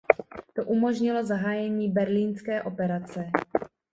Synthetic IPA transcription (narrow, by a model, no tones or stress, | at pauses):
t̪o̞ʔumo̞ʒɲɪlo̞zaɦaːjɛɲiːbɛɾliːnskɛːʔo̞pɛɾat͡sɛ